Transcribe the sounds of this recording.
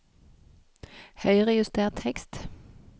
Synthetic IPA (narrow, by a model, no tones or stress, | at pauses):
hœʏʁɛjʉst̪ʰeːʁt̪ʰhɛkst̪